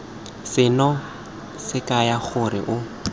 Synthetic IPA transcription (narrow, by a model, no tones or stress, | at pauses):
sɪnɔ | sɪkajaχʊɾɪ̰ʔʊ